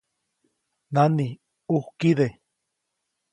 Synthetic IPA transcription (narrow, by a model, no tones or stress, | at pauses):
nani | uhkiðe